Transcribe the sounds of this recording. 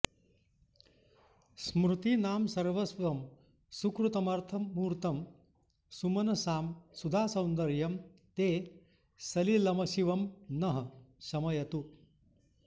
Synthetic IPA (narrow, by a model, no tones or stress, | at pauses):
smɾut̪inaːmsɐɾʋɐsʋɐm | sukɾut̪ɐmɐɾt̪ʰɐmːuːɾt̪ɐm | sumɐnɐsaːmsud̪ʱaːsɐ̃w̃nd̪ɐɾjɐm | t̪eː | sɐlilɐmɐʃiʋɐmnɐɦɐsɐmɐjɐt̪u